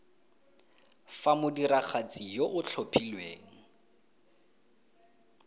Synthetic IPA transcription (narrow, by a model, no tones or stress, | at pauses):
famʊdiraχat͡sʼijoʔʊt͡ɬʰopʰilweːŋ̩